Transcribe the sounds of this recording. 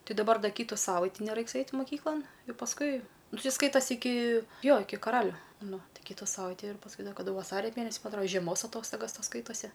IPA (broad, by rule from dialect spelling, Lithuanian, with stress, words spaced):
ˈtʲɪ dɐˈbɐr ˈdɐ ˈkʲiːtʊ ˈsɑːʋɐɪtʲɪ nʲɛˈrɐɪks ˈɐɪtʲ mʊˈkʲiːklˠɐn jɛʊ pɐsˈkʊɪ ˈnʊ ˈtʲɪ ˈskɐɪtɐsʲ ɪˈkʲɪ ˈjoː ˈɪkʲɪ kɐˈrɑːlʲʊ ˈnʊ ˈtɐɪ ˈkʲiːtʊ ˈsɑːʋɐɪtʲɪ ɪr pɐsˈkʊɪ ˈdɐ kɐˈdʊ ʋɐˈsɑːrʲɛ ˈmʲeːnʲɛsʲɪ ˈmɐ ɐtˈroː ʒʲiɛˈmoːs ɐˈtoːstoːɡɐs ˈtoːs ˈskɐɪtoːsʲɪ